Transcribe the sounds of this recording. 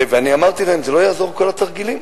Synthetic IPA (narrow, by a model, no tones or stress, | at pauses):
veaniamaʁt̪ilaemzelo̞jaːzo̞ʁ̞ko̞lat̪aʁɡilim